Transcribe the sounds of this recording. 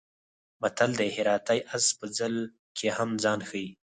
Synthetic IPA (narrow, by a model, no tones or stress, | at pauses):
bat̪ald̪ehɪɾɑt̪ajʔazpəd͡zəl | kʰehamzɑːnxəi